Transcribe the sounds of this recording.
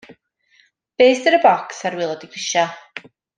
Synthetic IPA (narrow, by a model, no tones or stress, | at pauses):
b̥eːsdəɾəbɔksaɾwɪlˠɔdiɡrɪʃa